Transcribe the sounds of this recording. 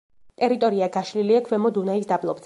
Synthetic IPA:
t̪ʼɛɾit̪ʼɔɾiaɡaʃliliakʰwɛmɔd̪unaisd̪ablˠɔbd̪z

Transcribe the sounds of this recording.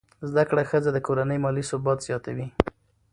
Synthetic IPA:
zd̪akɽaxəzad̪əkoɾanəjmɑlisʊbɑt̪z̥jɑt̪awi

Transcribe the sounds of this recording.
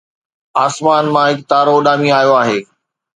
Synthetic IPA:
aːsmaːnmãɦɪkt̪aːɾoːɗaːmiaːjoaːɦeː

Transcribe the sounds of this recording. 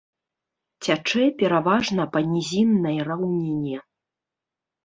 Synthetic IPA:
t͡sʲat͡ʂɛpʲɛɾavaʐnɐpɐnʲizʲinːɐjrawnʲenʲːjɛ

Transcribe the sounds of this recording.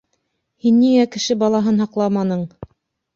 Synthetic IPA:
hinːiŋækɘ̆ʃɘbɑlˠɑɦɤnɦɑqlˠɑmɑnɤɴ

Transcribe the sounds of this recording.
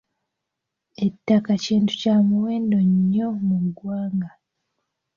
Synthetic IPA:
e̞tːakaciːntu̥caːmuweːndoɲːo̞muɡwaːŋɡa

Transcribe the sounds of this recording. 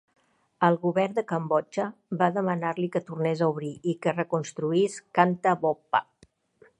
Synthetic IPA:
əlˠɣuβɛrd̪əkəmbɔt͡ʃəβaðəmənaɾlikət̪urnezauβ̞ɾiʔikərəkunst̪ɾuiskant̪əβɔpa̰

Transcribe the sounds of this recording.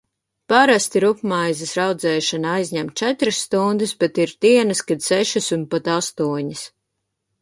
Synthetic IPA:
paɾast̪iɾupmajzisɾawd̪zɛːʃanaajzʲɲæmt̪t͡ʃɛt̪ɾɨsːt̪und̪usbɛt̪iɾt̪iɛnɐskad̪sɛʃisunpat̪ast̪uɔɲis

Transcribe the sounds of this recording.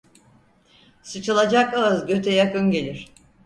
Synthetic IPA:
sɯt͡ʃʰɯlˠad͡ʒakaɯzɟøt̪ʰɛjakɯnɟe̞lʲiɾ̥

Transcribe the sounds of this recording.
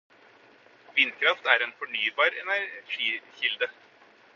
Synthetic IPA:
ʋɪnd̪kʰɾɑft̪æɾɛnfɔɳyːbɑːɾɛnæɾʂiːçɪld̪ə

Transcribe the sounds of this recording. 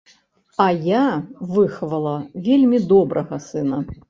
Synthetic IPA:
ɐjavɨxvɐlˠɐvʲelʲmʲid̪ɔbɾʔɐɣɐsɨnɐ

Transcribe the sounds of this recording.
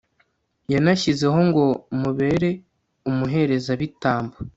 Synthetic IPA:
janaçize̞ɦo̞ŋɡo̞muβe̞ɾe̞ | umuɦe̞ɾe̞zaβitaːmba

